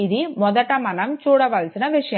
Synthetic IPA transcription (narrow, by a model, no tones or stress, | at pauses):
iðimɔðɐʈːɐmɐnɐmt͡ʃuːɽɐʋɐlsinɐʋɪʂɐjɐ